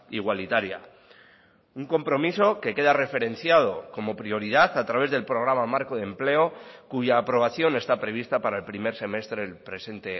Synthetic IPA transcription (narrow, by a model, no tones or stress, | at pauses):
iɣwalit̪aɾja̰ | uŋko̞mpɾo̞miso̞ke̞ke̞ðare̞fe̞ɾe̞n̟θjað̞o̞ko̞mo̞pɾio̞ɾiðaθat̪ɾaβe̞zðe̞lpɾo̞ɣ̞ɾamamaɾko̞ðe̞mple̞o̞kuʝaːpɾo̞β̞aθjo̞ne̞st̪apɾe̞β̞ist̪apaɾaelpɾime̞ɾse̞me̞st̪ɾelpɾe̞se̞nt̪e̞